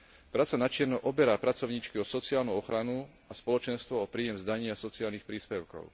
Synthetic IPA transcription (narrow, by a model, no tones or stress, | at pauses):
pɾaːt͡sanat͡ʃɪɛɾnɔʔɔbɛɾaːpɾat͡sɔʊɲiːt͡ʃkiɔsɔt͡sɪaːlnuɔxɾanu | aspɔlɔt͡ʃɛnst̪ʋɔɔpɾiːjɛmzd̪aɲɪasɔt͡siaːlnixpɾiːspɛʊkɔ̰ʊ